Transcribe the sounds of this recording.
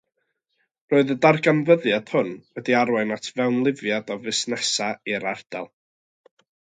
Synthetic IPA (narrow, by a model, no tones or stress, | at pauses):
roːɨðədarɡanvəðjad̥hʊnwɛdiaɾwaɨnatʰvɛwnlˠɪvjadɔvɨsnɛsaiɾard̥ɛ̰lˠ